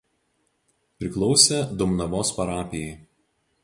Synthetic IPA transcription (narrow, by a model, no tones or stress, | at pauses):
pʲɾʲɪklˠɔʊsʲɛd̪ʊmnɐʋoːspɐɾɑːpʲɪjɛɪ